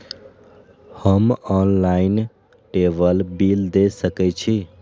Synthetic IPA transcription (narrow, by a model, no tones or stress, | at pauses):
həmɔnlain | ʈebəlbild̪esəkɛt͡ʃʰi